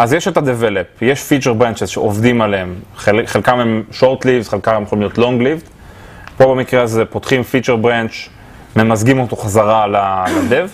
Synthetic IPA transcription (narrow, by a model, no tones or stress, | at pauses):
ʔazjeʃet̪ad̪evelepjeʃfit͡ʃeʁbʁant͡ʃezʃḛʔovd̪imaleemχeχelkamemʃoʁt̪livtχelkamemjexolimljo̞t̪lo̞ŋɡlivt | po̞bamikʁeazepot̪χimfit͡ʃeʁbʁant͡ʃ | memazɡimo̞t̪o̞χazaʁalalad̪ev